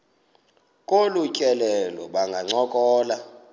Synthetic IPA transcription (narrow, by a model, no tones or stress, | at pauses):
kʼolucʼɛlɛlɔɓaŋɡʱaŋ͡ǀɔkʼɔːla